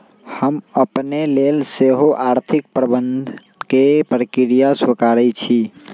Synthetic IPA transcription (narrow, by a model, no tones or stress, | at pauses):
həməpnelelseɦoʔaɾt̪ʰik̚pɾəbənd̪ʱ | kepɾəkiɾijaswəkaɾɛt͡ʃʰi